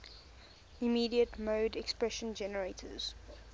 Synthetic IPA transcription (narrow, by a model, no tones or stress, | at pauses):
imiːdiətmoːdɛkspɹɛʃə̃nd͡ʒɛnəɹeɪtʰəz̥